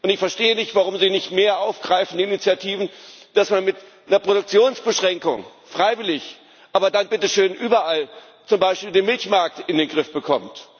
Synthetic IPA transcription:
ʔʊntɪçfɛɐʃteːənɪçtv̥aʁ̞ʊmziːnɪçtmeːɐʔaʊfɡ̥ʁaɪfn̩diːnit͡sjatʰiːvn̩d̥asmanmɪt | nɐpʁ̥oɾʊk̚t͡sjoːnsb̥əʃʁ̥ɛŋkʊ̰ŋ | fʁ̥aɪvɪlɪç | ʔaːbɐdanbɪtəʃøːnʔyːbɐʔal | t͡sʊmbaɪʃpiːldeːnmɪlçmaɐk̚tɪndeːnɡʁɪfb̥əkʰɔmt

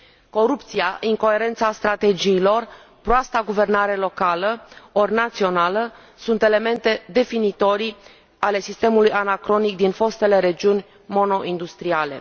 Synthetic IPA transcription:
ko̞ɾupt̪siaʔiŋko̞e̞ɾe̞nt̪sast̪ɾat̪e̞d͡ʒiːlo̞r | pɾoast̪aɡuve̞rnaɾe̞lo̞kaləornat̪sio̞nalə | sunt̪e̞le̞me̞nt̪e̞d̪e̞finit̪o̞ɾi | ale̞sist̪e̞mulujanakɾo̞nik̚d̪info̞st̪e̞le̞ɾe̞d͡ʒiunʲ | mo̞no̞ʔind̪ust̪ɾiale̞̰

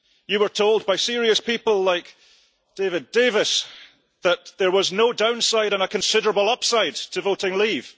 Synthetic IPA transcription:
jɨwə˞tʰolˠd̚baɪsiɹiəspipəlˠlˠaɪk | d̥evɪdevɪs | ðəʔðə˞wʌznodãʊ̃nsaɪɾə̃nəkʰə̃nsɪɾə˞əbəl̩ˠʌpsaɪd̚tʰəvoʔɪ̃ŋlˠiv̥

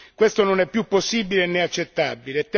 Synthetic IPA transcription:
kwest̪ononɛpːjupːosːiːbilenːeat͡ʃːet̪ːabilet̪ː

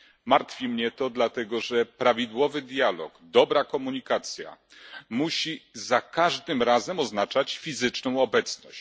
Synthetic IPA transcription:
maɾt̪fʲimɲɛt̪ɔd̪lat̪ɛɡɔʐɛpɾavʲid̪wɔvɘd̪jalɔ̰ɡd̪ɔbɾakɔmuɲikat̪sʲja̰ | muɕizakaʐd̪ɘmɾazɛmɔznat͡ʂat͡ɕfʲizɘt͡ʂnɔ̃w̃ɔbɛt̪snɔɕ

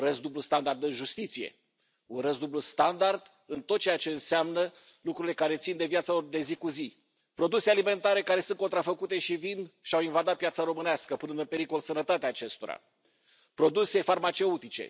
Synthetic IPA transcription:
uɾəsd̪ublust̪and̪ard̪ɨnʒust̪it̪sije̞̰ | unɾəs̬d̪ublust̪and̪ard̪ | ɨnt̪ot̪̚t͡ʃejat͡ʃe̞ɨnseamnə | lukɾuɾile̞kaɾe̞t̪sind̪e̞vjat̪salo̞rd̪e̞zikuzi | pɾo̞d̪usealime̞nt̪aɾe̞kaɾe̞sunt̪ko̞nt̪ɾafəkut̪e̞ʃivinʃiawinvad̪at̪̚piat̪saɾo̞mɨneaskəpɨnɨnd̪ɨnpe̞ɾiko̞lsənət̪at̪eaːt͡ʃe̞st̪o̞ɾa̰ | pɾo̞d̪use̞farmat͡ʃe̞ut̪it͡ʃe̞̰

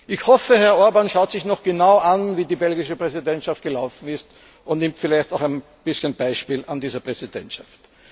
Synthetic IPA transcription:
ʔɪçhɔfəhɛɐɔɐbanʃaʊtz̥ɪçnɔχɡ̥ənaʊʔanviːdiːbɛlɡɪʃəpʁɛzidɛntʃaft̚ɡ̥əlaʊfn̩ɪst | ʊntnɪmtfɪlæɪçtaʊxæɪn | b̥ɪsçənb̥aɪʃpiːlandiːzɐpʁ̥ɛzidɛ̰ntʃaft

